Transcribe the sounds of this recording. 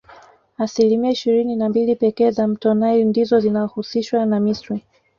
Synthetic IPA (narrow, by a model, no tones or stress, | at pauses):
asilimiaiʃiɾininambilipɛkɛːzam̩tɔnajindizɔzinaɔhusiʃwanamistɾi